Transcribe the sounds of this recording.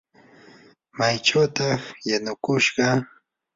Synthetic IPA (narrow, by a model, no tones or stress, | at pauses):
majt͡ʃawt̪ɑχjanʊkʊʃɢɑ